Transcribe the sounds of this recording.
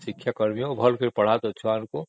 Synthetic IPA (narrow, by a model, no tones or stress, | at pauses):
sɪkʰjakəɾmijõbʱəlkiɾpəɽ̤at̪ot͡ʃʰaːnko